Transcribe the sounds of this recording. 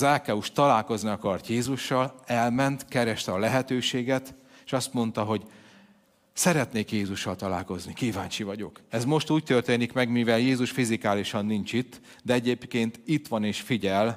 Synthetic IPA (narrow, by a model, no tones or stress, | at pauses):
zaːkɛuʃt̪ɒlaːlko̞zniɒkɒrt̪jeːzuʃːɒlɛlmɛnt̪kɛɾɛʃt̪ɛɒlɛɦɛt̪øːʃeːɡɛt̪eːʃɒst̪mo̞nt̪ɒɦo̞ɟ | sɛɾɛt̪neːkjeːzuʃːɒlt̪ɒla̰ːlko̞znikiːvaːɲt͡ʃivɒɟo̞kɛzmo̞ʃt̪uːc̚t̪ørt̪eːnikmɛɡmivɛljeːzuʃfizikaːliʃɒnːint͡ʃit̪ː | d̪ɛɛɟeːpkeːnt̪it̪ʋɒneːʃfiɟɛl